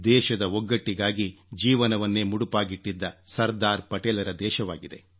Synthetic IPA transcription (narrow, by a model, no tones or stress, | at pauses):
d̪ɛːʃɐd̪ɐɔɡːɐʈːiɡaːɡid͡ʒiːʋɐnɐʋɐnːeːmuɽupaːɡiʈːid̪ːɐsɐɾd̪aːɾpɐʈɛːlɐɾɐd̪ɛːʃɐʋaːɡid̪e̞̰